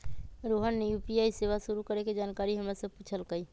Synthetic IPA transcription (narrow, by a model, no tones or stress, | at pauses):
ɾoːɦənːejuːpiaːiseːʋasʊɾukəɾeked͡ʒaːnkaːɾiɦəmɾesəpuːt͡ʃʰəlkəi